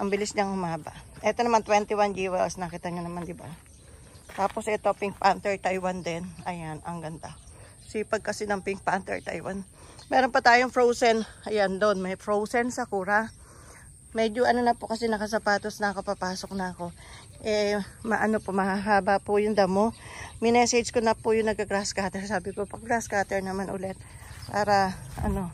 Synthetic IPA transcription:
ʔɐŋbɪlɪsɲaŋhʊmaːbɐ̰ʔʔɛt̪o̞nɐmant̪wɛnt̪ɪwand͡ʒiwɛlsnɐkit̪ɐɲanɐmand̪ɪba̰ | t̪aːpo̞sʔɛt̪oɐpɪŋk̚pant̪ɛɹt̪ajwand̪ɛnɐjanɐŋɡɐnd̪a | sipɐɡ̚kɐsɛnɐŋpɪŋk̚pant̪ɛ̰ɹt̪a̰jwan | mɛːɾonpɐt̪aːjoŋfɹowsɛnɐjand̪o̞nmɐjfɹowsɛnsɐkuːɾɐ | mɛd͡ʒoʔɐno̞nɐpokɐsɛnɐkɐs̬ɐpaːt̪osnɐkɐpapaːso̞k̚nɐʔɐko̞ | ʔɛmɐʔɐno̞pomɐhaɦaːbɐpʊjʊŋd̪ɐmo̞mɪnɛsɛd͡ʒkonɐpʊjʊŋnɐɡɐɡɾaskaːt̪ɛɹsaːbɪkopɐɡɾaskat̪ɛɹnɐmanʔʊ̰lɛt̪̚pa̰ːɾɐʔɐ̰no̞

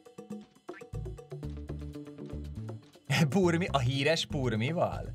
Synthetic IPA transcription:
purmiʔɒɦiːɾɛʃpurmivɒ̰l

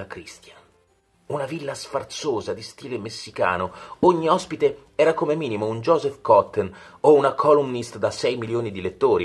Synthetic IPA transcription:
akɾist̪ja | unavilːasfart̪soːzad̪ist̪iːlemesːika̰ːnooɲːiɔspit̪e | ɛːɾakomemiːnimound͡ʒɔːzɛfkɔt̪ːenounakʰɔlumnist̪d̪asɛjmiljoːnid̪ilet̪ːoːɾi

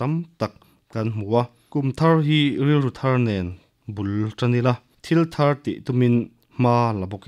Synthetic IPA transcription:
t̪ɐmt̪ɐk̚ | kɐnm̥ua | kumt̪ʰarɦirilrut̪ʰɐrnɛn | bulʈ͡ʂanila | t̪ʰilt̪ʰɐrt̪ḭʔt̪umin | m̥aːlabɔk

